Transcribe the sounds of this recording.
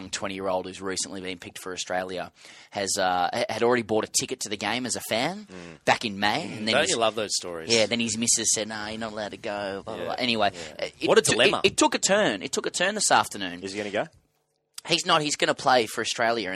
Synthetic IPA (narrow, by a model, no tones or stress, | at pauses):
ŋtʰw̥ɛ̃ɾ̃ijɪɹoʊlˠd̥̚hʉzɹisə̃nlibĩnpʰɪk̚tfə˞ɨstɹ̥eɪlˠjɨɨzʌɨɾl̩ˠɹɛɾibɹɔɾɨtʰɪkɨtʰɨðɨɡẽɪ̃mɨzɨfæ̃nb̥ækɨ̃nmẽɪ̃ɨ̃nðɨ̃nlʌvðoʊz̥stɔɹḭzjæðɨ̃nɨzmɪsɨz̥sɛdⁿnoʊjɨnəɾəlaʊɾɨɡoʊ̰ʔɛñiweɪʔʌɨwʌɾədɨlɛmə̰ɨtʰʊkɨtʰɜ̃˞nɨ̰tʰʊkɨtʰɜ̃˞nðɪsæftə˞nʉ̃nɨziɡʌ̃nɡoʊ | hiznət̚hizɡʌnəpʰl̥eɪfə˞ɨstɹ̥eɪlˠjɨɨ̃